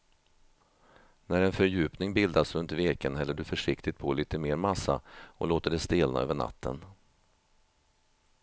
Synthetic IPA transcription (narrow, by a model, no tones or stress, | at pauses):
næɾɛnfœɾjʉ̟ːpnɪŋbɪld̪asɾɵnt̪veːkənɦɛlːəɖɵfœʂɪkt̪ɪt̪pʰɔliːt̪əmeːɾmasːa̰ɔ̰loːt̪əɖɛst̪eːlna̰ø̰ːvəɳa̰t̪ʰːə̰n